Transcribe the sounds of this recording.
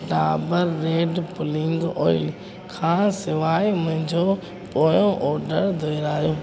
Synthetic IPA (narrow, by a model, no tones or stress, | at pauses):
ɖaːbəɾːeːɖpʊlɪ̃ŋɡɔ̰ːɪl | kʰãːsɪʋaːimʊ̃ɦɪ̃ɲd͡ʑoː | poːjõʔɔːɾɖəɾd̪ʱoːɪɾaːijoː